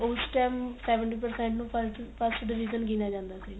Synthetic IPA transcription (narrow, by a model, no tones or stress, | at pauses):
oːsʈɛːmsɛːʋəɳʈiːpəɾsɛ̃ːɳʈnũːpəpʰəsʈɖɪʋiːd͡ʒənɡinaːd͡ʒãːnd̪aːsiː